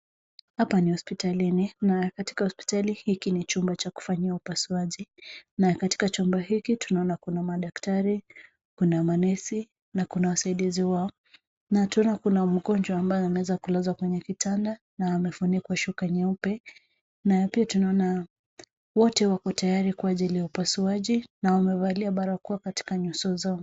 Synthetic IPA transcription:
hapanihɔspitalininakati̥kahɔspi̥talihikinit͡ʃumbat͡ʃaku̥faɲiaupasuaʄinakati̥kat͡ʃumbahikitunaɔnakunamaɗaktaɾi | kunamanɛsi | nakunawasaiɗiziwaɔ | natuɔnakunam̩ɠɔnd͡ʒwaːmbajanawɛzakulazwakwɛɲɛkitʰanda | naːmɛfunikwaʃukaɲɛupɛ | napiatunaɔna | wɔtɛwakɔtajaɾikwaʄilijaupasuaʄinaamɛvaliaɓaɾakuwakati̥kaɲusɔzaɔ

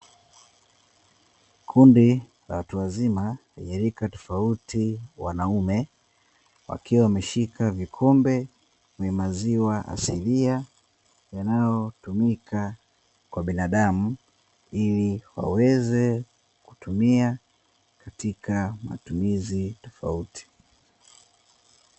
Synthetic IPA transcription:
kʰundi | la̰watuazima | jaɾikatɔ̥fautiwa̰naumɛ | wa̰kiwawamɛʃikʰavikʰɔmbɛ | kɛmaziwaʔa̰silia | janajɔtumikʰa | kwaɓinaɗamu | iliwa̰wɛzɛ | ku̥tumia | katikama̰tumizitɔ̥fa̰uti̥

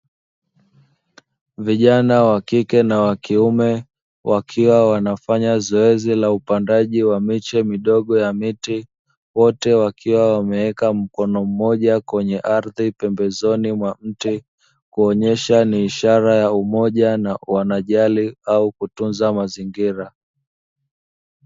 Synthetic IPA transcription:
viʄanawakikɛnawakiumɛ | wʔakʰiwawanafaɲazɔɛzilaupandaʄiwamit͡ʃɛmiɗɔɠɔjamiti | wɔtɛwakʰiwawamɛɛkam̩kɔnɔm̩mɔʄakwɛɲɛʔaɾðipɛmbɛzɔnimwam̩ti | kuɔɲɛʃaniːʃaɾajaumɔʄanawanaʄaliaukutunzamaziŋɡiɾa

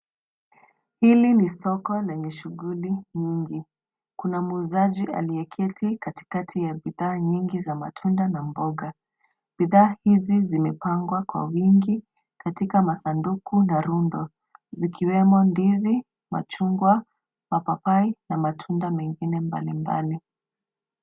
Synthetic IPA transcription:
hilinisɔkɔlɛɲɛʃuɣuliɲiŋɡi | kunamuːzaʄia̰lijɛkʰɛtʰikati̥katʰijabiðaːɲiŋɡizama̰tʰundanambɔɡa | b̥iðaːhizizimɛpaŋɡwakwa̰wiŋɡi | katikamasandukunaɾundɔ | zikʰiwɛmɔndizi | ma̰t͡ʃuŋɡwa | mapapainamatʰundamɛŋɡinɛmba̰limba̰li

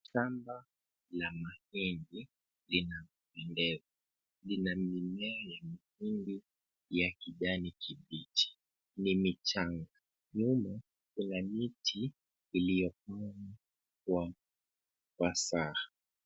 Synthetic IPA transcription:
ʃamba | lamahindi | linav | pɛndɛva | linamimɛjamahindi | jakiʄanikʰiɓitʰi̥ | nimit͡ʃaŋɡa | ɲuma | kunamitʰiː | lijɔkana | kwa | kwasaha

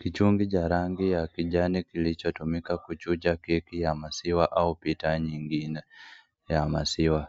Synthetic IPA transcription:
kit͡ʃuːŋɡicaɾaːŋɡijakiɟanikilit͡ʃatumikakut͡ʃucakekijamasiwaʔaupitaɲiːŋɡine | jamasiwa

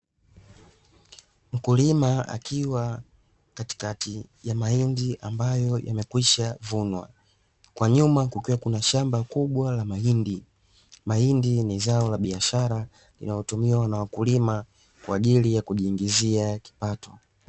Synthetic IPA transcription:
m̩kulimaa̰kʰiwa | kati̥katijamaindiʔa̰mbajɔja̰mɛkwiʃavunwa̰ | kwaɲumakukiwakunaʃambakuɓwalamaindi | maindinizaɔlaɓiaʃaɾa | lḭnalɔtumiwanawakulima | kwaːʄilijakuʄiːŋɡiziaki̥patʰɔ

